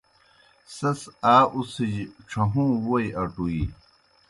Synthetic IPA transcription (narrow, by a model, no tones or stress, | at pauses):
sɐsaːʔusid͡ʑʈ͡ʂʰɐɦũːwojɐʈui